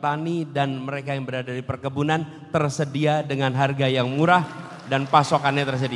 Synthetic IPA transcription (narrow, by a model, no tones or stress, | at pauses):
t̪anidanməɾekajaŋbəɾadadipərkəbunan | t̪ərsədiadəŋanɦarɡajaŋmuɾah | danpasokanɲat̪ərs̬ədia